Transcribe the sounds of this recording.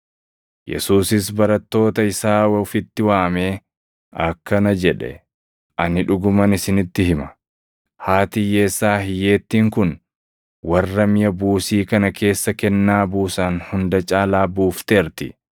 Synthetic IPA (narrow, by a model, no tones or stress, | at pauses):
jɛ̰suːsɪsbɐɾɐt̪ːo̞ːt̪ɐɪsaːwɛʊfɪt̪ːɪwaːme̞ː | ʔɐkːɐnɐd͡ʒɛᶑɛ̰ | ʔɐnɪᶑʊɡʊmɐnɪsɪnɪt̪ːɪɦɪmɐ | haːt̪ɪje̞ːsːaːɦɪje̞ːt̪ːiːŋkʊn | wɐrːɐmɪjɐbuːsiːkɐnɐkʰe̞ːsːɐkɛnːaːbuːsanhʊnd̪ɐt͡ʃʼaːlaːbuːft̪eːɾt̪ɪ̰